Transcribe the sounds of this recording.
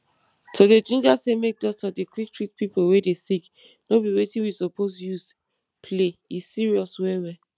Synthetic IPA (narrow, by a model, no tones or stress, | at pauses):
tʰoded͡ʒĩnd͡ʒasemek̚dɔtɔdekʰwik̚tʰɹit̚pipowedesik | nobiwetĩwisɔposjus | pʰleisiɹiɔswɛwɛ